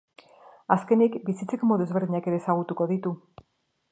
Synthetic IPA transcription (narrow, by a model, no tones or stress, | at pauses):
aske̞nikbisit͡se̞komoðue̞zβe̞ɾðiɲake̞ɾe̞ːsaɣ̞ut̪uko̞ðit̪u